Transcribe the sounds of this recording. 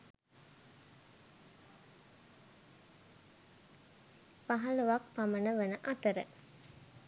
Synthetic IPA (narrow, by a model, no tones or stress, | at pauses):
paɦɐluʋak̚pamənəʋənəʔat̪əɾə̰